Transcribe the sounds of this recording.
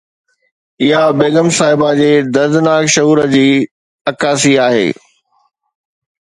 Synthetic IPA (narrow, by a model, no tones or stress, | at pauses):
ɪɦabeːɡəmsaːɦɪbad͡ʑeːd̪ɐɾd̪ɪnaːkʃɐɦuːɾəd͡ʑiː | ɐkaːsiaːɦḛː